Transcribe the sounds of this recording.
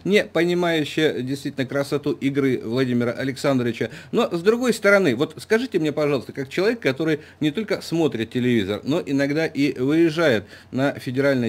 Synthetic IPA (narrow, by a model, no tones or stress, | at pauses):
nʲɪpənʲɪmajʉɕːɪjədʲɪjst̪vʲitʲlʲnəkɾəsɐt̪uʔɪɡɾɨvlˠɐdʲimʲɪɾəʔɐlʲɪksand̪ɾəvʲɪt͡ɕəno̞zd̪ɾʊɡo̞jst̪əɾɐnɨvo̞t̪skɐʐɨtʲɪmnʲepɐʐɑlˠəst̪əkak̚t͡ɕɪlˠɐvʲekːɐt̪o̞ɾɨj | nʲɪt̪o̞lʲkəsmo̞t̪ɾʲɪt̪̚ʲtʲɪlʲɪvʲizərno̞ʔɪnɐɡd̪aʔivɨɪʐajɪt̪nəfʲɪdʲɪɾalʲnə